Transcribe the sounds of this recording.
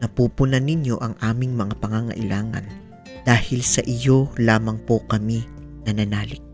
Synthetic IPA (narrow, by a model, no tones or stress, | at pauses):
nɐpuːpʊnɐnɪɲjo̞ʔɐŋʔaːmɪŋmɐŋapɐŋaŋɐ̰ʔɪlaːŋɐ̰n | d̪̥aːhɪlsɐʔɪjo̞laːmɐŋpokɐmi | nɐnɐnaːlɪk̚